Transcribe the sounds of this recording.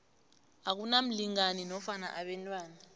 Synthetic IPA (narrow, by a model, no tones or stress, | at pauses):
ak̬unam̩liŋaninɔfana̰ʔaɓɛntʼwaːna